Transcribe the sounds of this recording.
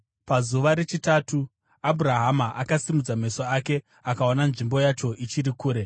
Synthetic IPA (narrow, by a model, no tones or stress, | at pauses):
pazuʋaɾe̞t͡ʃitaːtu | abʱuɾaɦamaʔakasimud͡zame̞soake̞ | akaonanʐimbo̞jat͡ʃo̞ʔit͡ʃiɾikuːɾe̞